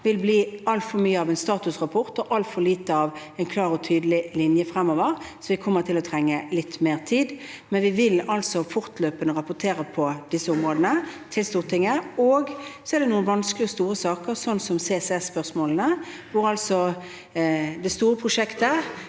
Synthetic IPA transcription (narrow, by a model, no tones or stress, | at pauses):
ʋɪlbliːɑlt̪fɔmyːəɑʋɛɪnst̪ɑːt̪ʉsʁɑpʰɔɾt̪ɔʔɑlt̪fɔliːt̪əɑʋ | ɛɪnkʰlɑːɾɔt̪ʰyːd̪əlɪlɪnjəfɾɛmːoːʋəʁsɔʋɪkʰɔmːəʁt̪ʰɪlɔt̪ʰɾɛŋːəlɪt̪ːmeːʁt̪ʰiːd̪mɛnʋɪʋɪlɑlsɔfʊʁt̪løːpənəʁɑpʊt̪ʰeːɾəpʰɔd̪ɪsːəʊmʁoːd̪ənət̪ʰɪlst̪uːʁt̪ʰɪŋəoːɡsɔɛʁd̪ɛnuːənʋɑnsklɪɔst̪uːɾəsɑːkəɾsɔnːsɔmsɛsɛsːpœʁsmoːlənəʋʊɾɑlsɔ | d̪ɛst̪uːɾəpʰʁʊʂɛkt̪ə